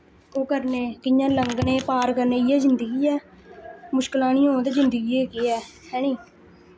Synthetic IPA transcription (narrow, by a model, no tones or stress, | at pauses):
oːkəɾneːkɪjãːləŋɡneːpaːɾkəɾneːɪjɛːzɪnd̪əɡiːɛː | mʊʃkəlaːñĩːõːnt̪eːzɪnd̪əɡiːeːkeːɛːhɛːñĩː